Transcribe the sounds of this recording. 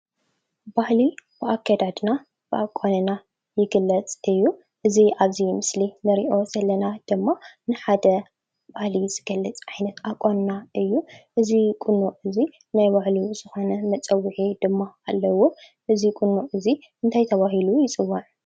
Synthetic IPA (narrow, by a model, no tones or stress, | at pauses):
bahlibɨʔakʰːad̪ad̪na | b̥ɨʔakʼːanɨna | jɪɡɨlːɐt͡sʼɨjːu | ʔɨziʔaβzimɨslinɨɾiʔo̞sɐlːɐnad̪̥ɨmːanɨħad̪ɐ | bahliz̥ɨɡ̥ɐlːɨt͡sʼajnɐt̪ʔakʼːannaʔɨjːuʔɨzikʼʊnːoɨzi | najbahlizɨxo̞nɐmɐt͡sʼɐwːɨħid̪ɨmːaalːɐwːo | ʔɨzikʼʊnːuʔɨzi | ʔɨnt̪ʰajt̪ʰɐβaɦilujɪt͡sʼɨwːaʕ